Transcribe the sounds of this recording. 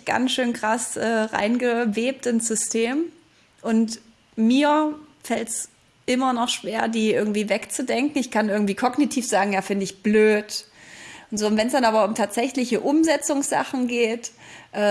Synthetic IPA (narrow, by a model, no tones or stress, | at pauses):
ɡ̥a̰nsʃøːnkʁ̥asʔɛːʁa̰ɪnɡəveːp̚tɪnsz̥ʏstʰeːm | ʔʊnt | miːɐfɛlts | ʔɪmɐnɔχʃv̥eːɐdiːʔɪɐɡŋ̩tv̥iːvɛkt͡sudɛŋkŋ̩ɪçkʰanʔɪɐɡŋ̩tv̥iːkʰɔɡnitʰiːfz̥aːɡŋ̩jaːfɪndəɪçb̥løːt | ʔʊntz̥oːʊntvɛnsd̥anʔaːbɐʊmtʰaːtz̥ɛçlɪçəʔʊmzɛt͡sʊŋsz̥a̰χn̩ɡeːtʔɛː